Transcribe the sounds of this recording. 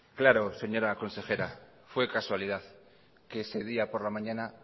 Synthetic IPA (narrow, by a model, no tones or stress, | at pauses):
klaɾose̞ɲo̞ɾakõ̞nse̞xe̞ɾa | fwekaswalið̞að | keseð̞iapoɾlamãɲãna